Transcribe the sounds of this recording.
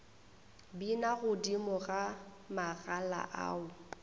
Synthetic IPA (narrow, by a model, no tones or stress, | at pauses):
binaɣʊdimɔɣa | maɣala̰ʔa̰ːʊ